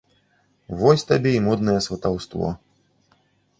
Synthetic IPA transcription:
vɔsʲt̪abʲɛimɔd̪̚nɐjɛsvɐt̪awst̪vɔ̰

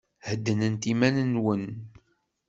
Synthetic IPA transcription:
həd̪ːənənt̪imænənwən

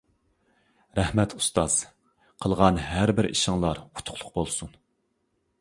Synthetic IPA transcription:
ɾɛhmɛt̪ʰu̥st̪ɑz̥ | qʰəlˠʁɑnɦæɾbɪɾʔḭʃɪŋlˠɑɾʰu̥t̪ʰʊ̥qʰlˠʊq̚bolˠsun

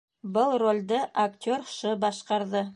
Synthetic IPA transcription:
bɤlˠrolʲd̪ɤʔɐktʲoɾʃɤbɑʃqɑɾðɤ

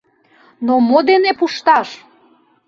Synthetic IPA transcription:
nomod̪enepuʃt̪ɑʃ

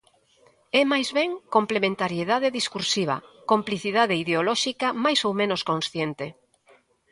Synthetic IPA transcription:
ɛmajzβɛŋkomplemẽnt̪aɾjeðaðeðiskuɾsiβ̞ɐ̰kompliθiðaðeiðeolɔʃikɐmajsowmẽnoskõnsθjent̪e

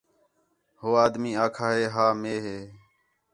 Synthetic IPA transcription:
hoːaːd̪miːaːkʰaːɦeːɦaːmeːɦeː

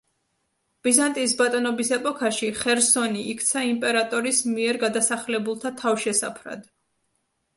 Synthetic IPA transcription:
b̥izant̪ʼiːsbat̪ʼɔnɔbisɛpʼɔkʰaʃiχɛɾsɔniʔːkʰt̪sʰaimpʼɛɾat̪ʼɔɾismiɛɾɡad̪asaχlɛbulˠt̪ʰat̪ʰavʃɛsa̰pʰɾa̰d̪

